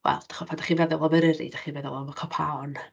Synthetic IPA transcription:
wɛ̰lˠd̥ḁχɔpʰadaχinvɛðɛlˠɔməɾɪɾḭd̥aχinvɛðɛlˠɔmɔkʰɔpʰaɔn

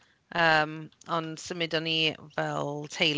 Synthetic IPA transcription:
əːmɔnsəmɪdɔnivɛlˠtʰejl

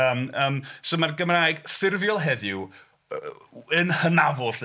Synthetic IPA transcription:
əːməːmsomarɡəmraːjɡθɪrvjɔlˠɦɛðɪw | ənhənavʊɬ

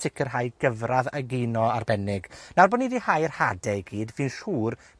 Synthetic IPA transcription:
ɪkʰərɦajɡ̥əvraðəɡinɔarbɛnɪɡnarbɔniðihajrhadɛjɡiːdvɨnʃuːr

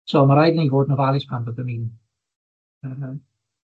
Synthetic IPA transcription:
soːmaɾajdəniːvoːdnɔvalˠɪspʰanəðəniːn | əː

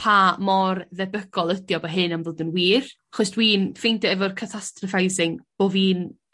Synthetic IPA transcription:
pʰamɔrðɛbəɡ̥ɔlˠədjɔbɔɦɨnamvoːdənwiːraχɔsd̥wiːnfejndɔɛvɔrkʰatʰastrɔfajzɪŋb̥oːviːn

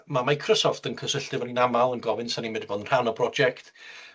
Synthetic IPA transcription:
mamajkʰrɔsɔftənkʰəsəɬtɪvɔninamalˠənɡɔvɪnsanimɛdboːdənr̥anɔpʰrɔd͡ʒɛktʰ

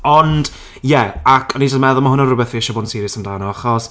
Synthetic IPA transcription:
ɔnd̥ | jɛakʰɔnid͡ʒɔdmɛðʊlˠmaɦʊnɔrʊbɛθviɛʃɔboːnsiɾəsamdawnɔaχɔs

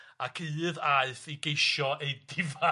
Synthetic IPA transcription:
akʰɨːðaɨθiɡejʃɔejdɪva

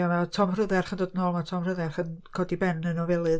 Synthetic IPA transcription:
anatʰɔmrɨðɛrχəndoːdənɔːlˠmatʰɔmr̥ʊðɛrχənkʰɔdibɛnənɔvɛlˠɨð

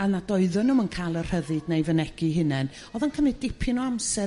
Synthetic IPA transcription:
anadɔɨðʊnəmənkʰalˠər̥əðɨdnajvənɛɡ̥iɦɨnɛn | ɔðankʰəmɨdɪpʰɪnɔamsɛ

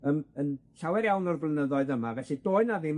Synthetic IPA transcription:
əːmənɬawɛɾjawnɔrvlˠənəðɔɨðəmavɛɬidoːɨnavɪm

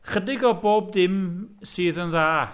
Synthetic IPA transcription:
χədɪɡɔboːb̚dɪmsiːðənðaː

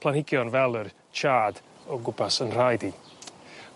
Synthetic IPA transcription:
pʰl̥ˠanhɪɡjɔnvɛlˠər | t͡ʃʰaːdɔɡʊbʰasənr̥ajdi

